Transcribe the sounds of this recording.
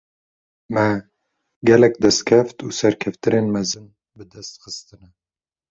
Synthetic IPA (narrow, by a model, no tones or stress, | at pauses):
mɛ | ɡɛlɛkd̪ɛst̪̚kʰʲɛft̪uːsɛɾkʲʰɛft̪ɨneːnmɛzɨn | bɨd̪ɛst̪xɨst̪ɨnɛ